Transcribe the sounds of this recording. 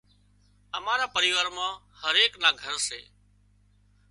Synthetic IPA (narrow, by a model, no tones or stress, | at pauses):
əmaːɾaːpəɾiːʋaːɾmãː | həɾeːknaːɡʱəɾsḛː